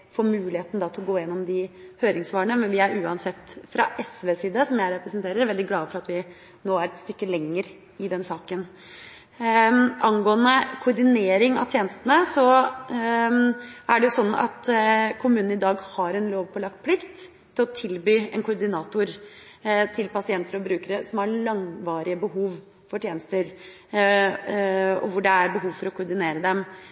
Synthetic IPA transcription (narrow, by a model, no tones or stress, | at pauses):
foɾmʉːlɪheːt̪nəd̪ɑːt̪ʰlɔɡoːjɛnːɔmd̪ɪhøːɾɪŋsʋɑːɳəmɛnʋɪæɾʉːɑnsɛt̪ːfɾʔɑ̰ʔɛsʋeːsiːd̪əsɔmjæɪɾɛpɾəsnt̪ʰeːɾəɾʋɛld̪ɪɡlɑːəfɔɾɑt̪ʋɪ | noːæɾɛt̪st̪ʏkːəlɛŋːəɾ | ɪd̪ɛnsɑːkən | ʔɑnɡoːənəkʰʊɾɖ̪ɪneːɾɪŋɑ̰t̪ʰjeːnəst̪ənəsɔ | ʔæɖɛjʊsɔnːɑ̰t̪kʰʊmʉːnn̩ɪd̪ɑːɡhɑɾɛnloːʋpʰɔlɑkt̪̚pʰlɪkt̪ʰː | ɪlɔt̪ʰɪlbyːɛnkʊɾd̪ɪnɑːt̪ʊɾ | t̪ʰɪlpɑsɪɛnt̪əɾɔbɾʉːkəɾəsɔmhɑɭɑŋʋɑːɾɪəbəɦuːʋ | fɔʈʰjeːnəst̪əɾ | ɔ̰ʋʊɖɛæɾbəɦuːʋfɔɾɔkʰʊɾɖ̪ɪneːɾəd̪ɛm